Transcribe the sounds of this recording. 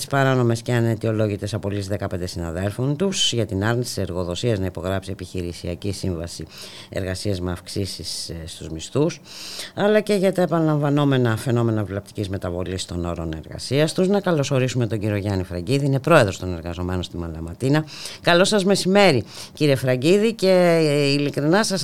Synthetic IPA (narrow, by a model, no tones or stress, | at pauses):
t̪ispɐɾɐno̞me̞sceɐnet̪io̞lo̞ʝit̪e̞sɐpolisðe̞kɐpe̞nd̪e̞sinɐ̰ðe̞lfo̞nt̪usʝɐt̪inɐɾɣnist̪i̥se̞ɾɣo̞ðo̞siɐznɐipo̞ɣɾɐpsie̞piçiɾisiɐcisiɱvɐsi | e̞̰ɾɣɐsiɐzmeɐfksisissːt̪uzmist̪usɐlɐce̞ʝɐt̪ɐepɐnlɐɱvɐno̞me̞nɐfe̞no̞me̞nɐvlɐp̚t̪i̥cizme̞t̪ɐvo̞list̪o̞no̞ɾo̞ne̞̰ɾɣɐ̰siɐst̪uznɐkɐlo̞so̞ɾisume̞t̪oɟiɾio̞ʝɐnifɾɐɟiðiine̞pɾo̞e̞ðɾo̞st̪o̞ne̞ɾɣɐzo̞me̞nonst̪imɐnlɐmɐt̪inɐkɐlo̞sɐzme̞sime̞ɾiciɾie̞fɾɐɟiðice̞ilikɾinɐsɐs